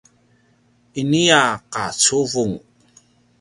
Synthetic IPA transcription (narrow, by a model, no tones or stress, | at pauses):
iniaqat͡suvuŋ